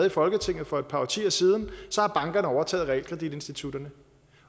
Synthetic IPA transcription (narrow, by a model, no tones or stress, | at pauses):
ð̩ˠifɒ̽lɡ̥ət͡sʰe̝ŋ̰ð̩ˠfɒ̽ed̥̚pʰɑ̈t͡sʰḭːɐsiːð̞ˠn̩sɒ̽hɑ̈b̥ɑ̈ŋɡ̥ɐnəɒʊɐt͡sʰɛ̰ːð̩ˠʁɛ̰lkʰʁɛd̥id̥e̝nsd̥it͡sʰud̥ɐnə